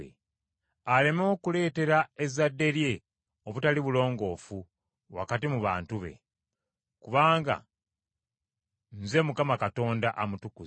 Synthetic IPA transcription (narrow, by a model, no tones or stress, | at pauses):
ḛ | ale̞mookule̞ːte̞ɾae̞zadːe̞ɾje̞ | oβutaliβulo̞ːŋɡo̞ːfu | wa̰katimuβa̰ːntuβe̞̰ | kuβaːŋɡa̰ | nze̞mukamakato̞ːndaʔamutuku